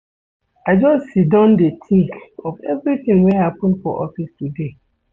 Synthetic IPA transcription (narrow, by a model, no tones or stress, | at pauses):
ad͡ʒɔssidãʊ̃ndet̪ʰĩŋkɔvɛ̰vɹit̪ĩŋwɛ̃hapə̃ndfɔʔɔfistude